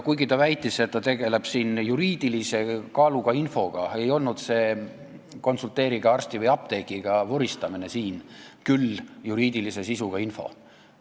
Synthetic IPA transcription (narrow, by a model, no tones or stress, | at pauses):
kujɡit̪ɑvæjt̪ːˑisset̪ːɑt̪e̞ɡ̥e̞le̞b̥siːnjuɾiːd̪̥ilise̞kɑluɡ̥ɑinfo̞ɡ̥ɑe̞jo̞lnud̪̥se̞ː | ko̞nsult̪ːˑe̞ːɾiɡ̥ɑɑrst̪ivɯjɑp̚t̪e̞kˑiɡ̥ɑvoɾist̪ɑmine̞siːnkyljuɾiːd̪̥ilise̞sisuɡ̥ɑinfo̞̰